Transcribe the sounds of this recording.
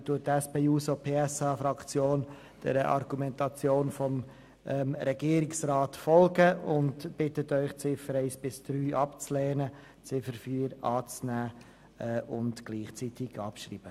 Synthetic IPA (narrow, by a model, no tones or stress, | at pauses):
tuət̚ɛspeːuːsopʰeːɛsɑːfɾɑkt͡sjoːn | d̥ɛ̰ɾəʔɑ̰rɡ̥umɛntɑt͡sjoːnfɔm | ʔɛmɾɛɡ̥iəɾɪksrɑːtfɔlɡəʊntb̥ɪtətœʏχt͡sɪfəɾɛɪsb̥ɪsd̥ɾyːʔɑpt͡slɛːnə | t͡sɪfəɾfyːɾɑːt͡snæː | ɛʊntɡ̥liːχt͡sitɪɡʰɑ̰pʃrḭːb̥ə